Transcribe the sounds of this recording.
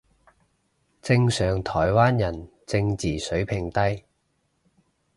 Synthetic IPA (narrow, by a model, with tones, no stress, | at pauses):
t͡sɪ˧ŋsœː˨˩ŋt̪ʰɔː˨˩jwaː˥njɐ˨˩n | t͡sɪ˧ŋt͡siː˨˩sɵ˨˥ɥpʰɪ˨ŋt̪ɐ˥j